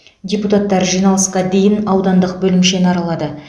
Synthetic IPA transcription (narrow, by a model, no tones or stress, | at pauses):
dʲe̞put̪at̪ːɑɾʒijnɑlˠəsqɑd̪e̞jɪnɑwd̪ɑnd̪əqbɵlɪmʃe̞nɑɾɑlˠɑd̪ə